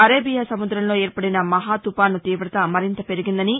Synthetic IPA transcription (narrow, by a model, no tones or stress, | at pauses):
ɐɾeːbijaːsɐmud̪ɾɐmlo̞ːɛːɾpɐɽinɐmɐɦaːt̪upaːnut̪iːʋɾɐt̪ɐmɐɾint̪ɐpe̞ɾiɡind̪ɐni